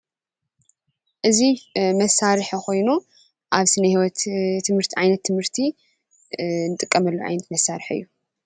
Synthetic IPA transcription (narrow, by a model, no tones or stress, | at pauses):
ʔɨzimɐsːaɾɨħxʰo̞jnu | ʔaβsɨnɐhiwɔt̪ʰːɨmhɨɾt̪ʰiʕajnɐt̪ʰːɨmhɨɾt̪ʰi | nɨt̪ʼɨkʼːɐmɐlːuʕa̰jnɐt̪mɐsaɾɨħɨ̰jːu